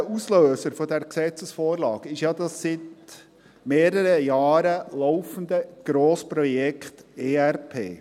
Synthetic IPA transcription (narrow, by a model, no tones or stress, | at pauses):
əusløːsəɾfɔdɛɾksɛt͡səsfɔːɾlɑːɡɪʃjɑːdɑssɪt | meːɾəɾəjɑːɾəlɔʊfən̩d̪əɡ̥ɾoːspɾɔjɛkχteːærpʰḛː